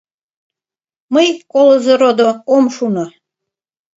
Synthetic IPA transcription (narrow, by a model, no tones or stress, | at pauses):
məjkolozeɾod̪okomʃuno